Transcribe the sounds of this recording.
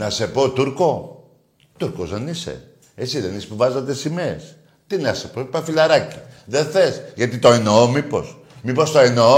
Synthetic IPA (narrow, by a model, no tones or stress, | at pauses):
nɐse̞po̞t̪uɾko̞ | t̪uɾkozðenisḛ | esiðenispuvɐzɐt̪esimes | t̪inɐsepoi̥pɐfilɐɾɐci̥ðeθesʝɐt̪it̪o̞enoomipo̞̰s | mipo̞st̪oeno